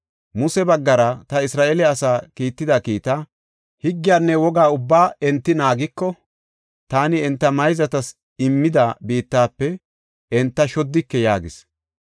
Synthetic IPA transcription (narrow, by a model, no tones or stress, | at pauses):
mʊsɛbɐɡːɐɾɐt̪ɐɪsɾaːʔɛlɛɐsaːkiːt̪ːɪd̪ɐkiːt̪a | hɪɡːɪjaːnːɛwɔɡaːʊbːaːɛnt̪ːɪnaːɡɪkːɔ | t̪aːnɪɛnt̪ːɐmɐjzɐt̪ɐs | ɪmːɪd̪ɐbiːt̪ːaːpːɛ | ɛnt̪ːɐʃɔd̪ːɪkːɛjaːɡɪs